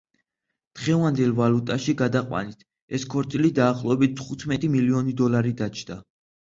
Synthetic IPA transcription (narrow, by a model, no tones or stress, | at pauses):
d̪̥ʁɛvand̪ɛlˠvalut̪ʼaʃiɡad̪aqʼwa̰nit̪ʰ | ɛskʰɔɾt̪sʼilid̪aːχlˠɔɛbit̪̚ʰt̪ʰχut̪ʰmɛt̪ʼimiliɔnid̪ɔlaɾid̪at͡ʃʰd̪̥a